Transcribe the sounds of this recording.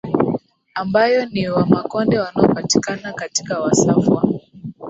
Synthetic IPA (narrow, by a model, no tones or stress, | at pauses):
ambajɔniwamakɔndɛwanaɔpati̥kanakati̥kawasafwa̰